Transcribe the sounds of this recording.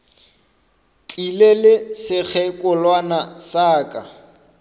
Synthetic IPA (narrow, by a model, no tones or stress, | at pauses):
t͡ɬʼilelɪsɪk͡xʰɛkʼʊlwanasaːkʼa